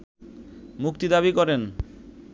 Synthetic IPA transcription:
mukt̪id̪aβikɔɾen

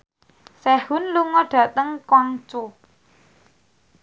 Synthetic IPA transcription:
sɛhʊnluŋɔɖ̥ä̤t̪əŋkɔŋt͡ʃo

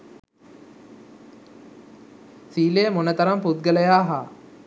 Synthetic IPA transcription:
siːlemonət̪ɐɾɐmput̪̚ɡələjaːɦaː

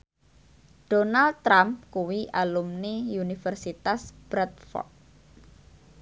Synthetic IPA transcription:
ɖ̥onald̪̚t̪ːɾamkuwiʔalumniunifərsit̪asb̥ɾat̪̚fɔ̰k̚

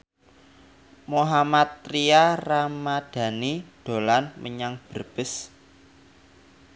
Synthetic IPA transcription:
moɦamat̪ːɾiaramad̥a̤niɖ̥o̤lanmʔə̰ɲaŋb̥ərb̥ɪs

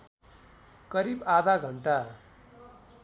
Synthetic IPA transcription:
kʌɾibad̪ʱaɡʱʌɳʈa

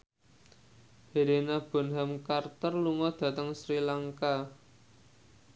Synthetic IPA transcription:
heɾenab̥ɔ̤nɦamkart̪ərluŋɔd̪̥ä̤t̪əŋsɾilaŋka

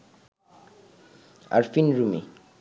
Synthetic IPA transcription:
a̰ɾfinɾumḭ

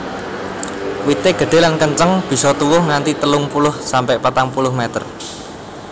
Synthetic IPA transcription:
wit̪eɡ̥ə̤ɖ̥e̤lankəɲt͡ʃəŋb̥i̤sɔt̪uwʊhŋant̪it̪əlʊŋpulʊhsampɛʔpat̪aŋpulʊhmɛt̪ə̰r

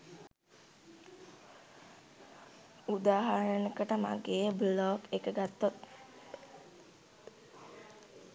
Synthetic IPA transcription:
ud̪aːɦaɾənəkəʈəma̰ɡeːəblɔkekəɡat̪ːot̪̚

